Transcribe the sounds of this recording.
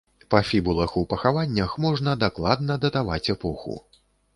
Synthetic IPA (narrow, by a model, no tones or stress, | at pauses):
pɐfʲibulˠɐxupɐxavanʲːɐxmɔʐnɐd̪aklˠad̪nɐd̪ɐt̪ava̰t͡sʲɛpɔxṵ